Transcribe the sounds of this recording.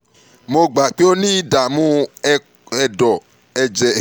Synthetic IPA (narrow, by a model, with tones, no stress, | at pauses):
mo˧ɡ͡ba˨k͡pe˦o˦nĩ˦da˨mũ˦˧ | ɛ˧dɔ˨ | ɛ˧d͡ʒɛ˨